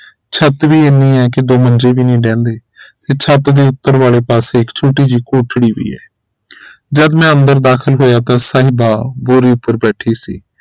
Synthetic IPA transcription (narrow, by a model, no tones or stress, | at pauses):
t͡ʃʰət̪ʋiːɪniːɛːkɪd̪oːmənd͡ʒeːʋiːnĩːɖɛ̃ːnd̪eː | t̪eːt͡ʃʰət̪d̪eːʊt̪ːəɾʋaːleːpaːseːɪkt͡ʃʰuːʈiːd͡ʒiːkoːʈʰɽiːʋḭːɛ̰ː | d͡ʒəd̪mɛ̃ːənd̪əɾd̪aːkʰəlɦoːjaːt̪ãːsaːɦɪbaːboːɾiːʊpəɾbɛːʈʰiːsḭː